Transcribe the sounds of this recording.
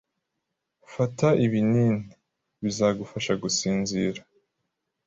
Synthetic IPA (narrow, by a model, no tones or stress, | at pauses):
fataʔiβinini | βizaɡufaʃaɡusiːnziːɾa